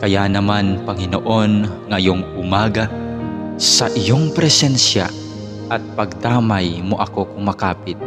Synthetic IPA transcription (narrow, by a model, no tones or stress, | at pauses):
kɐjanɐmanpɐŋɪno̰ʔo̞nŋɐjoŋʔʊmaːɡa | sɐʔɪjoŋpɾɛsɛnsja̰ | ʔɐt̪̚pɐɡ̚d̪aːmajmoʔɐko̞kʊŋmɐkaːpɪt̪̚